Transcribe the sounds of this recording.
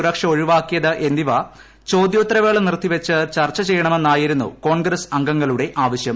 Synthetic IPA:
ɾɐkʂɐo̞ɻiʋaːkːijɐðɨʔe̞nd̪iʋɐ | t͡ɕo̞ːd̪joːt̪ːɾɐʋe̞ːɭɐnirt̪ʰːiʋɐt͡ɕːɨt͡ɕɐrt͡ɕːɐt͡ɕe̞jːɐɳɐme̞nːaːjiɾunːṵko̞ːɳɡɾɐsɐŋɡɐŋːɐluɽe̞ʔaːʋɐɕjɐm

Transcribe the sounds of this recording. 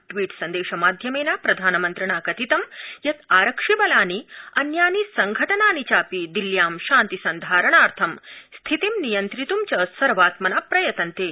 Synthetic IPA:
ʈʋiːʈsɐnd̪eːʃɐmaːd̪ʱjɐmeːnaːpɾɐd̪ʱaːnɐmɐnt̪ɾɐɳaːkɐt̪it̪ɐmjɐt̪aːɾɐkʂibɐlaːniɐnjaːnisɐŋɡʱɐʈɐnaːnit͡ɕaːpid̪iljaːmʃãːnt̪isɐnd̪ʱaːɾɐɳaːɾt̪ʰɐmst̪ʰit̪imnijɐnt̪ɾit̪umt͡ɕɐsɐɾʋaːt̪mɐnaːpɾɐjɐt̪ɐnt̪eː

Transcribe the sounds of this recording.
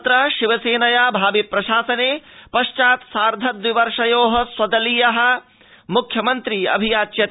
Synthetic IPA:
t̪ɾɐʃiʋɐseːnɐjaːbʱaːbipɾɐʃaːsɐneːpɐʃt͡ʃaːt̪saːɾd̪ʱɐd̪ʋiʋɐɾʂɐjoːɦɐ̆swɐd̪ɐliːjɐɦɐ̆ | mukʰjɐmɐnt̪ɾiːɐ̰bʱijaːt͡ʃjɐt̪

